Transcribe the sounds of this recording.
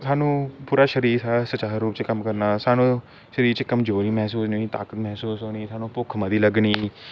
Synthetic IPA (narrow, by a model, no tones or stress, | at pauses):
t̪ʰaːnũːpuːɾaːʃəɾiːɾsasət͡ʃaːɾːuːpt͡ʃekəmkəɾnaːsaːnũː | ʃəɾiːɾt͡ʃekəmd͡ʒoːɾiːmɛːsuːsnoiːt̪a̰ːkət̪mɛɦsuːsɦoːniːt̪ʰaːnũːpʊkʰməd̪iːləɡɳiː